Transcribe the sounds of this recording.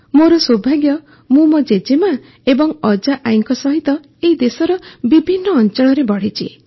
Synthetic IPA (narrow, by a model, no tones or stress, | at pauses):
moɾɔsobʱaɡjɔ | mũmɔd͡ʒed͡ʒema | ebɔŋɔd͡ʒaʔajŋkɔsɔɦit̪ɔ | eid̪esɔɾɔbibʱinːɔːnt͡ʃɔɽ̃ɭ̃ɔɾebɔɽ̤it͡ʃḭ